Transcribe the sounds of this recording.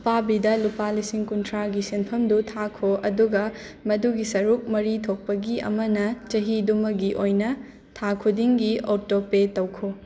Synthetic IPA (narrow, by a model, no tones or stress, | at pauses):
pabidɐlupalisiŋkuntʰɾaɡisenpʰɐmdutʰakʰoɐduɡɐ | mɐduɡisɐɾuk̚mɐɾitʰok̚pɐɡiɐ̰mɐnɐt͡ʃɐɦidumɐɡiʔojnɐ | tʰakʰudiŋɡiotopetɐwkʰo